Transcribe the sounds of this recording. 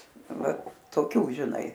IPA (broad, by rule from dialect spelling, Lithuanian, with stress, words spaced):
ˈʋɐ toːˈkʲuː ʒʲɪˈnɐɪ